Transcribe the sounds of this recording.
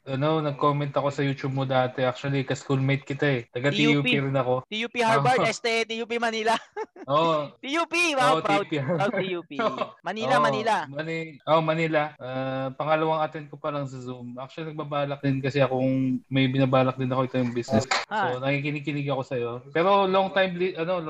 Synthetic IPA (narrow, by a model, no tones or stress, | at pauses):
ʔɐno̞nɐɡ̚koːmɛnt̪ɐko̞sɐjuːt͡ʃub̚mod̪aːt̪ɛʔak̚t͡ʃʊɐlikɐskulmejt̪̚kɪt̪aɛt̪ɐɡat̪iupiɾɪnɐko̞t̪ijupihaɹbɐɛst̪ɛt̪ijuːpimɐnilaʔoʔʔot̪ijuːpiwʔpɾpiaupioʔmɐnilamɐnilamɐniʔomɐnilɐʔapɐŋɐlɐwaŋɐt̪ɛnd̪̚kopɐlɐŋsɐzumʔak̚t͡ʃʊɐlinɐɡ̚babaːlɐk̚d̪ɪnkɐsɛɐkoŋmɐjbɪnabaːlɐk̚d̪ɪnɐko̞ʔɪt̪o̞jʊŋbisnɛsonɐkik̬ɪniɡ̚kɪnɪɡɐko̞sɐjo̞pɛːɾo̞loŋt̪ajmliʔɐno̞l